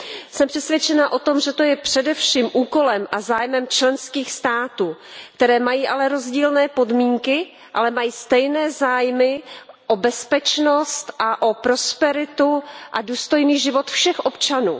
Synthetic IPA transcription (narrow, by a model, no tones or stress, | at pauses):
sɛmpr̝̥ɛsvʲjɛt͡ʃɛnaʔo̞t̪o̞mʒɛt̪o̞jɛpr̥ɛdɛfʃiːmʔuːko̞lɛmʔazaːjmɛmt͡ʃlɛnskiːxst̪aːt̪uːk̚t̪ɛɾɛːmajiːʔalɛɾo̞zɟiːlnɛːpo̞dmiːŋkɪ | ʔalɛmajiːst̪ɛjnɛːzaːjmɪʔobɛspɛt͡ʃnost̪ʔaʔo̞pɾo̞spɛɾɪt̪uʔaduːst̪o̞jniːʒɪvo̞t̪fʃɛxʔo̞pt͡ʃanṵː